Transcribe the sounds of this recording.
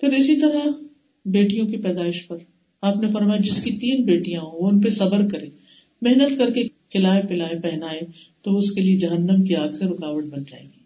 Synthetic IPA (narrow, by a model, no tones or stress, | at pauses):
pʰɪɾɪsit̪ɐɾa | beːʈijõkipɛːd̪aːɪʃpɐɾ | aːpnefɐɾmaːjid͡ʒɪskit̪iːnbeːʈijãɦooʊnpesɐbəɾkɐɾẽː | mɛɦnət̪kɐɾkekʰɪlaːepɪlaːepɛɦnaːet̪oʊskelied͡ʒɐɦənːəmkiaːɡseɾʊkaːʋəʈ̚bɐnd͡ʒa̰ːḛːɡiː